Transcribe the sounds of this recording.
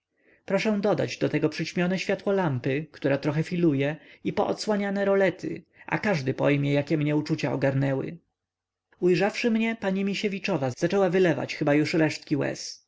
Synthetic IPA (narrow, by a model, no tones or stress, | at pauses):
pɾɔʂɛ̃d̪ɔd̪a̰d͡ʑd̪ɔt̪ɛɡɔpʂɘt͡ɕmʲjɔnɛɕfʲjat̪wɔlampɘkt̪uɾat̪ɾɔxɛfʲilujɛipɔʔɔt̪swaɲanɛɾɔlɛt̪ʰɪ̰ | ʔa̰kaʐd̪ɘpɔjmʲjɛjakʲɛmɲɛut͡ʂut͡ɕaɔɡaɾnɛwɘ̰ | ujʐafʂɘmɲɛpaɲimʲiɕevʲit͡ʂɔvaz̥at͡ʂɛwavɘlɛva̰t͡ɕxɘbajuʂɾɛʂt̪̚kʲiwɛ̰s